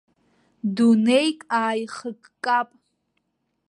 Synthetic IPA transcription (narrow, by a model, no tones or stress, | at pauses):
dunejkʼaːjχəkʼkʼapʼ